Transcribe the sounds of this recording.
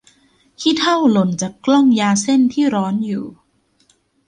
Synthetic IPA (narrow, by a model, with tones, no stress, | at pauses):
kʰiː˥˩t̪ʰa˥˩wlo˨˩nt͡ɕaː˨˩klɔ˥˩ŋjaː˧se˥˩nt̪ʰiː˥˩ɾɔː˦˥njṵː˨˩